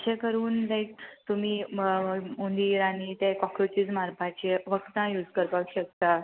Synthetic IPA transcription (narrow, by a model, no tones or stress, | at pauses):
ɕʰẽkəɾuːnlajk̚t̪um̤iː | mund̪iɾañit̪ẽkɔkɾot͡ɕit͡smaɾpʰat͡ɕeʋəkt̪ãjuːd͡zkəɾpakɕəkt̪a